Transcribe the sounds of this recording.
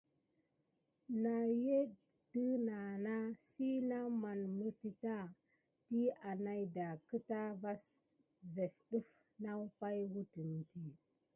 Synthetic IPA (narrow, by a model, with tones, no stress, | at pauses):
na˨je˦ | də˦na˨na˦si˦na˦ma˨nmə˨ɾti˨ta˦ | ti˦a˨na˦jda˨kə˦ta˦va˦s | ze˨fɗu˦f | na˦wpa˦jwu˦ti˨n˨ti˦